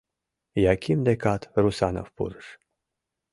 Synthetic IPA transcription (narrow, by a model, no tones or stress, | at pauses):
jakʲʰimd̪ekat̪rusano̰fpṵrʃ